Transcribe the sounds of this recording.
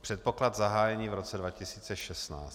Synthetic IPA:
pr̝̥ɛt̪̚po̞klad̪zaɦaːjɛɲiːvɾot͡sɛdvacɪsiːt͡sɛʃɛstna̰ː

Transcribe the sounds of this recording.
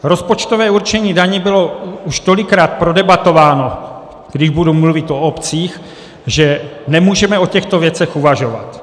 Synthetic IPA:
ɾo̞spo̞t͡ʃt̪ovɛːuɾt͡ʃɛɲiːdaɲɛbɪlo̞uʃt̪o̞lɪkɾaːt̪̚pɾodɛbat̪o̞vaːno | ɡ̥dɪʒbudumluvɪt̪o̞opt͡siːx | ʒɛnɛmuːʒɛmɛo̞cɛxt̪o̞vjɛt͡sɛxuvaʒo̞va̰t̪

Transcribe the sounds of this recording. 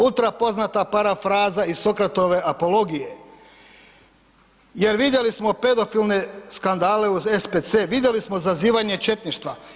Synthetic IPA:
ut̪ɾapo̞znat̪apaɾafɾaːzaisokɾat̪o̞ʋe̞ʔapo̞lo̞ɡije̞ | je̞ɾʋid̪je̞lismo̞pe̞d̪o̞filˠne̞skand̪aːle̞uzespet̪seːʋid̪je̞lismo̞zaziːʋaɲe̞t͡ʃe̞t̪niʃt̪ʋa

